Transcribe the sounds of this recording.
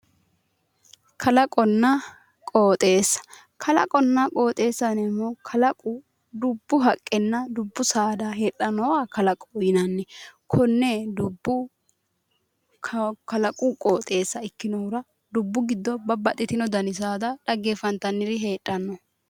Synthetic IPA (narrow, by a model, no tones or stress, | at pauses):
kʰɐlɐkʼɔnːɐ | kʼoːt̪ʼeːsːɐ̥ | kʰɐlɐ̰kʼɔnːɐkʼo̞ːt̪ʼe̞ːsːɐnɛmːɔkʰɐlɐkʼʊ | d̪ʊbːʊɦɐkʼːɛnːɐd̪ʊbːʊsaːd̪ɐhe̞ːʔɐnːɔwaːkɐlɐkʼːɔjɪnɐnːɛkʰɔnːɛd̪ʊbːʊ | kɐlɐkʼukʼoːt̪ʼe̞ːsːɐɪkːɪnɔʊɾɐ | d̪ʊbːʊɡɪd̪ːɔbɐbɐt̪ʼːɪt̪ɪnɔd̪ɐnɪs̬aːd̪ɐᶑɐɡːefɐnt̪ːɐnːɪɾɪɦe̞ːᶑʼːɐnːɔ